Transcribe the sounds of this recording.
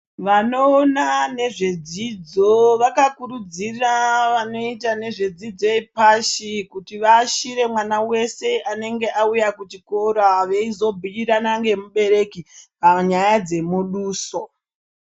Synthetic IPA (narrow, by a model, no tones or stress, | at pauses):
ʋano̞ːnane̞ʐe̞d͡zid͡zo̞ʋakakuɾud͡ziraʋano̞itane̞ʐe̞d͡zid͡zo̞epaʃikutiʋaʃiɾe̞mwanawe̞se̞ʔane̞ŋɡe̞ʔaujakutikoɾaʋe̞izo̞bʱuiɾanaŋɡe̞muɓe̞ɾe̞kipaɲajad͡ze̞muɗuːso